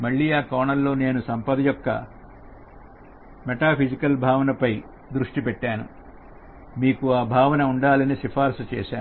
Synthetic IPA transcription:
mɐɭːiːaːkaːɳɐlːo̞ːne̞ːnusɐmpɐd̪ɐjɔkːɐ̰ | mɛʈaːpʰid͡ʒikɐlbʱaːʋɐnɐpɐj | d̪ɾuʂʈipɛʈːaːnṵ | miːkuaːbʱaːʋɐnɐuɳɖaːlɐniʃipʰaːɾsɐt͡ʃɛ̰ːʃaːnu

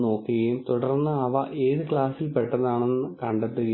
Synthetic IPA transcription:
no̞ːkːiɣɐjumt̪uɽɐrnːɨɐʋɐʔe̞ːðɨkɭaːsilpeʈːɐðaːɳenːɨkɐɳɖet̪ːuɣɐ

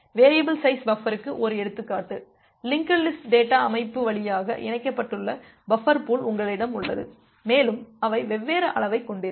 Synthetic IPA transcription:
ʋeːɾɪjɐbɪlsɐɪsbɐfɐɾɯkːɯʔɔɾɯɛɽɯt̪ːɯkːaːʈːɯ | lɪŋkɐlːɪsʈɖeːʈːaːɐmɐɪpːɯʋɐɭɪjaːɣɐ̰ʔɪ̰nɐɪkːɐpːɐʈːɯɭːɐ | bɐfɐɾpuːlʊŋɡɐɭɪɽɐmʊɭːɐ̰ðɯ̰ | meːlɯmɐʋɐɪʋɛʋːeːɾɐʔɐ̰ɭɐʋɐɪkːɔɳɖɪɾ

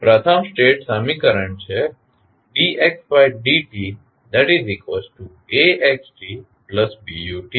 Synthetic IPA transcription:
pɾət̪ʰəmsʈeːʈsamikəɾəɳt͡ʃʰe | ɖiʔeksbajɖiʈi | d̪ɛʈizɾikʋesʈʈu | eʔeksʈi | pləsbijuʈi

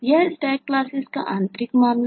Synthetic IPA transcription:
jɐsʈak̚ːlaːsiska̰ʔant̪ɾikmaːmn

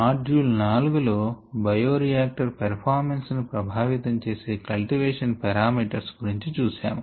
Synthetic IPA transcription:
aːɖuːlnaːluɡulo̞ːbɐjoːɾijaːk̚ʈɐɾpɐɾpʰaːɾmensnupɾɐbʱaːʋit̪ɐmt͡ʃe̞ːse̞ːkɐlʈiʋeːʂɐnpɐɾaːmiːʈɐɾsɡuɾiɲt͡ʃit͡ʃuːsaːmu

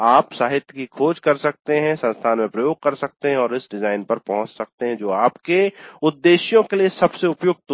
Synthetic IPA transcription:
aːpsaːɦɪt̪jkikʰoːd͡ʒkɐɾsɐk̚t̪eɦɛ̃sɐ̃nst̪ʰaːnmẽpɾɐjoːɡ̚kɐɾsɐk̚t̪eɦɛ̃ɔːɾɪsɖɪzaːɪnpɐɾpɐɦʊ̃t͡ʃsɐk̚t̪eɦɛ̃d͡ʒoːaːpkeʊd̪ːeːʃjõkeliesɐbseʊpjoːɡ̚t̪

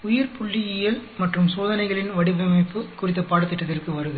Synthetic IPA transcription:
ʊjɐɾpʊɭːɪjɪjɐlmɐʈrɯmsoːðɐnɐɪɣɐɭɪnʋɐɽɪʋɐmɐɪpːɯkʊrɪt̪ːɐpaːɽɐt̪ːɪʈːɐt̪ːɪrkɯʋɐɾɯɣɯ

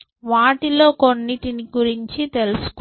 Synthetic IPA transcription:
ʋaːʈilo̞ːko̞nːiʈiniɡuɾiɲt͡ʃit̪e̞lusu̥k

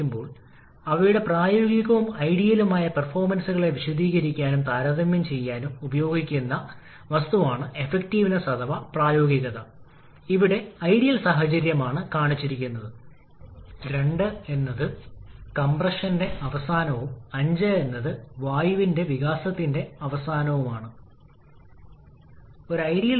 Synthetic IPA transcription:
umbo̞ːɭ | ɐʋɐjuɽe̞praːjo̞ːɡiɣɐʋumɐjɽijɐlumaːjɐpɐrfo̞ːrmɐnsuɣɐɭe̞ʋiɕɐd̪ʱiːɣɐɾikʲːaːnumt̪aːɾɐðɐmjɐmt͡ɕe̞jːaːnumubɐjo̞ːɡikʲːunːɐ | ʋɐst̪uʋaːɳɨe̞fek̚tiːʋinɐsɐd̪ɐʋɐpraːjo̞ːɡiɣɐðɐ | iʋiɽe̞ɐjɽijɐlsaːɦɐt͡ɕɐɾjɐmaːɳɨkaːɳit͡ɕːiɾikʲːunːɐðɨ | ɾe̞ɳɖɨe̞nːɐðɨkɐmprɐʂɐnde̞ʔɐʋɐsaːnɐʋumɐɲd͡ʑɐe̞nːɐðɨʋaːjiʋinde̞ʋiɣaːsɐt̪ːinde̞ɐʋɐsaːnɐʋumaːɳɨ | o̞ɾɐjɾijɐ

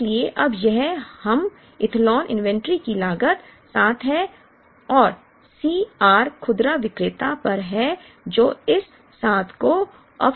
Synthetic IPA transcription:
lieʔɐbjɛɦhɐm | ɪt̪ʰlɔːnʔɪ̰̃nʋɛ̃ɳʈɾikilaːɡət̪saːt̪ʰɦɛ | ɔːɾ | siːaːɾkʰʊd̪ɾaʋɪkɾɪt̪apɐɾɦɛ | d͡ʒoːɪsː | aːt̪ʰko | ɐ̰b

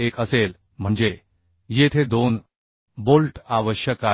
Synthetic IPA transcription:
ekəsel | m̤əɳd͡ʑe | jet̪ʰed̪on | bolʈaʋəɕjəka

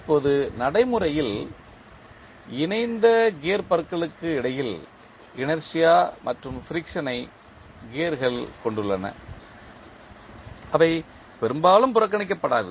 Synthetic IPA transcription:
ɪpːoːðɯnɐɽɐɪmɯɾɐjɪl | ɪnɐɪnd̪ɐɡeːɾpɐɾkːɐɭɯkːɯɪɽɐjɪl | ɪnɐɾsɪjaːmʔɐʈrɯmfɪɾɪkʂɐnɐɪ | ɡeːɾɣɐɭkɔɳɖɯɭːɐnɐ̰ | ɐʋɐɪ | pɛɾɯmbaːlɯmpʊɾɐk̬ːɐɳɪk̬ːɐpːɐɽaːðɯ̰

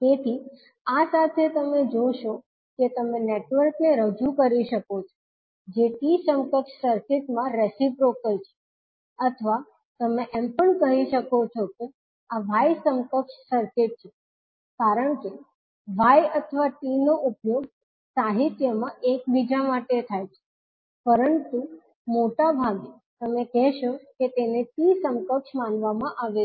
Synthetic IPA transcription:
t̪et̪ʰi | asat̪ʰet̪əmed͡ʒoʃo | ket̪əmeneʈʋəɾkneɾəd͡ʒukəɾiʃəkot͡ʃʰo̥ | d͡ʒeʈisəmkəkʃsəɾkeʈmãɾesipɾokəɾt͡ʃʰe̥ | ət̪ʰəʋa | t̪əmeʔɛmpəɳkəɦiʃəkot͡ʃʰoke | aʋajsəmkəkʃsəɾkeʈ̚t͡ʃʰe | kaɾəɳke | ʋajət̪ʰəʋaʈinoʔupjoɡ̚ | saɦit̪jəmãʔek̚bid͡ʒamaʈet̪ʰajt͡ʃʰe̥ | pəɾənt̪u | moʈabʱaɡ | t̪əmekɛɦʃoket̪eneʈisəmkəkʃmanʋamãʔaʋe

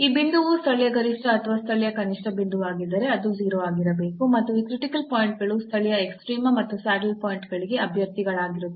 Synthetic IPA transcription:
iːbind̪uʋust̪ʰɐɭjɐɡɐɾiʂʈɐːt̪ʰʋaːst̪ʰɐɭjɐkɐniʂʈɐbind̪uʋaːɡid̪ːɐɾe̞ɐd̪ud͡ʒiːɾoaːɡiɾɐbe̞ːkumɐt̪ːuiːkɾiʈikɐlpoːjɳʈ̚ɡɐɭust̪ʰɐɭɛjɐeksʈɾiːmɐmɐt̪ːusaːʈɐlpoːjɳʈɡɐɭiɡe̞ɐbʱjɐɾt̪iɡɐɭaːɡiɾuu

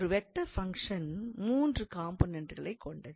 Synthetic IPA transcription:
ɾɯʋɛʈːɐfɐŋkʂɐnmuːndrɯkaːmpoːnɛɳʈɣɐɭɐɪkːɔɳɖɐ

